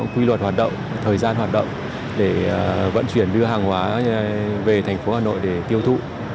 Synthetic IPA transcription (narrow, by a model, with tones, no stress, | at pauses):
ŋkwi˧lwə˨˩t̚hwaː˨˩t̚ɗə̰˧˨wŋ͡m | t̪ʰəː˨˩jzaː˧nɦwaː˨˩t̚ɗə̰˧˨wŋ͡m | ɗe˧˩və̰˧˥nt͡ɕwi˧˩ənɗɨ˧əɦaː˨˩ŋɦwaː˨˦ | ve˨˩t̪ʰɛ˨˩ŋ̟fo˨˦haː˨˩no̰˧˨jɗe˧˩t̪i˧əwt̪ʰṵ˧˨